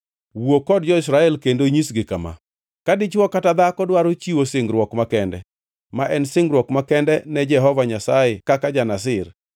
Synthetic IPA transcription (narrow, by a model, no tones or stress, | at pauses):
wokɔdd͡ʒɔɪsɾaɛlkendoɲisɡɪkama̰ | kadɪt͡ʃwɔkatad̪akɔdwaɾot͡ʃiwosɪŋɡɾwɔkmakɛndɛ̰ | maʔɛnsɪŋɡɾwɔkmakɛndɛnɛd͡ʒɛɦɔvaɲasaɛkakad͡ʒanas̬ɪr